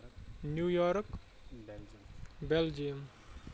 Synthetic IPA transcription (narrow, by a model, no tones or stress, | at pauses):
njujɔɾk | beld͡ʒim